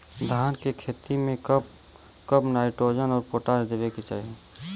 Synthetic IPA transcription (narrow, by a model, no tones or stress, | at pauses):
d̪ʱaːnkekʰeːt̪imẽkə | kəpnaːɪʈɾoːd͡ʒənɔːɾpoːʈaːd͡ʒd̪eːʋeket͡ʃa̰ːɦe